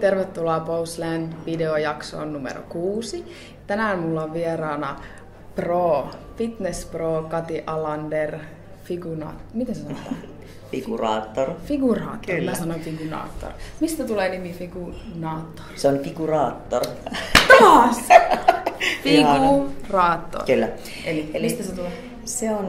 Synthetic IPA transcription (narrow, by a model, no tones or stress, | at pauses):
t̪erʋet̪ːulɑːpouslændʋideojɑkso̰ːnnumḛɾo̰kuːsi | ɑt̪ænæomulːoʋʋieɾɑːnɑ | proːfit̪nesproːkɑt̪iʔɑlɑnder | fiɡunɑ̰ːt̪mit̪ensesɑnnot̪ɑː | fiɡ̥urɑ̰ːt̪ːorfiɡ̥urɑ̰ːt̪kːorlmmæsɑnonfiɡ̥unɑ̰ːt̪ːo̰rmist̪æt̪uleːnimifiɡ̥unɑːt̪ːo̥rseonfiɡ̥urɑːt̪ːort̪ɑːs | fiiɑɡurɑːt̪ːo̰rkylːæ | elimist̪æset̪ule | seon